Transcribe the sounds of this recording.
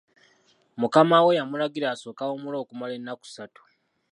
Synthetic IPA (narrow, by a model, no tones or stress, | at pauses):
mukamawe̞jamulaɡiɾaːso̞ːkawomulo̞ːkumale̞nːaku̥satu̥